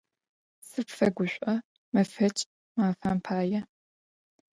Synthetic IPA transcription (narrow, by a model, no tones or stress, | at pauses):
sɨpfɐɡʷʊɕʷʼɐ | mɐfɐt͡ʃʼ | maːfampʰaːjɛ